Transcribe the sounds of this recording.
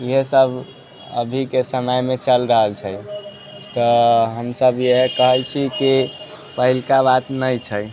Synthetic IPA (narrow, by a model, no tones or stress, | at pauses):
iɦesəbʱ | ə̰bʱikesəməjmet͡ʃəlɾəɦəlt͡ʃʰəj | t̪ɔɦəmsəbjeɦekəɦəjt͡ʃʰiki | pəɦilkabat̪nəjt͡ʃʰəj